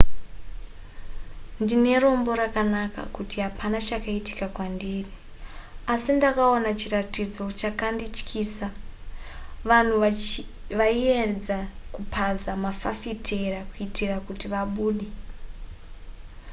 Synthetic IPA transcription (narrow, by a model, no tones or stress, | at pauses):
ndine̞ro̞mbo̞ɾakanaka̰kutiɦapʰanat͡ʃakaiti̥kakwandiːri | asindakaonat͡ʃiratid͡zo̞t͡ʃakandit͡ʃkʰiːsa | ʋan̤u | ʋaied͡zakupʰazamafafitʰerakuitirakutiʋaɓuːɗe